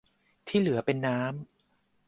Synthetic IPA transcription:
t̪ʰiː˥˩lɯ˩˦ɐpe˧nːaː˦˥m

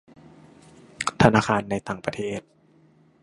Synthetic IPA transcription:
t̪ʰa˧naː˧˩kʰaː˧nːa˧jt̪aː˨˩ŋpɾa˧t̪ʰeː˥˩t̪̚

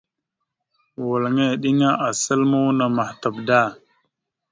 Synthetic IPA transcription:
wa˨lŋe˦˨ɗi˦ŋa˦ʔa˨sə˦lmu˦wna˨ma˨hta˨bda˦˨

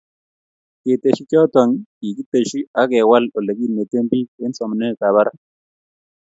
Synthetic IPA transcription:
ke˨te˨ʃi˦kɔ˦tɔ˨ŋi˨ki˦te˨ʃi˦a˦kɛ˨wa˦lo˨le˨ki˦ne˨te˦mbi˦e˦nsɔ˨m˨nɛ˦˨ka˨βa˦ɾa˦

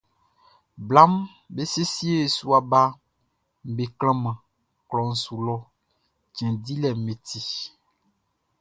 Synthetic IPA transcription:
bla˦m | be˦se˦si˦e˦e˨su˦a˨ba˦ | m˨be˨klɛ̃˦mã˨ | klɔ˨ŋ̩˨su˨lɔ˦ | d͡ʒɛ̃˨di˦lɛ˨mẽ˨t̪i˦

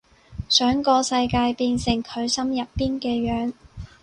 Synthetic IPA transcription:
sœː˨˥ŋkɔː˧sɐ˧jkaː˧jpiː˧nsɪ˨˩ŋkʰɵ˨˧ɥsɐ˥mjɐ˨ppːiː˥nkɛː˧jœː˨˥ŋ

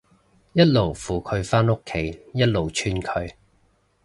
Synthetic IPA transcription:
jɐ˥t̚lo˨˩wfuː˨˩kʰɵ˨˧ɥfaː˥nʊ˥kʰːe˨˥jjɐ˥t̚lo˨˩wt͡ʃʰyː˥nkʰɵ˧ɥ

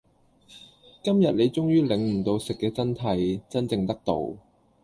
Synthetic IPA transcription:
kɐ˥mjɐ˨t̚le˨˧jt͡sʊ˥ŋjyː˥lɪ˨˧ŋm̩˨˩t̪o˧wsɪ˨kːɛː˧t͡sɐ˥nt̪ʰɐ˨˧jt͡sɐ˥nt͡sɪ˨˧ŋt̪ɐ˥k̚t̪o̰˨˧w

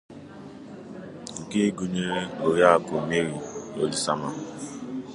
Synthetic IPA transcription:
ŋ̩˨ke˦ɡu˦ɲe˦lo˨ja˦a˨ko˨me˦ɾi˨o˦d͡ʒi˨sa˦ma˦

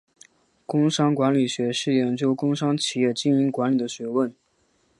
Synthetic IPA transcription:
kʊ˥ŋʂɑ˥ŋkwa˧˥nli˨˩ɕɥɛ˧˥ʂɻ̩˥˩jɛ˧˥nt͡ɕjo˥ʊkʊ˥ŋʂɑ˥ŋt͡ɕʰi˨˩jɛ˥˩t͡ɕi˥ni˧˥kwa˧˥nli˨˩d̪ə˦ɕɥɛ˧˥wə˥˩n

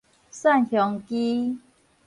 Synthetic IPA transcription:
sa˥˧˨nhjɔ˨˦ŋki˦

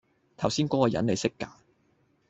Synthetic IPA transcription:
t̪ʰɐ˨˩wsiː˥nkɔː˨˥kɔː˨˧jɐ̰˨˥nle˨˧jsɪ˥kːaː˨˥

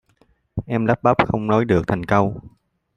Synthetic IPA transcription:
ʔɛ˧mla˦˥p̚ɓa˦˥p̚xə˧wŋ͡mnɔ˨˦jɗɨ˨˩ək̚t̪ʰa˨˩jŋ̟kə˧w

